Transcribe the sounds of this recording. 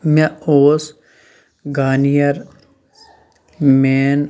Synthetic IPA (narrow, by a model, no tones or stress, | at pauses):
meoːs | ɡaːnijɐɾ | meːn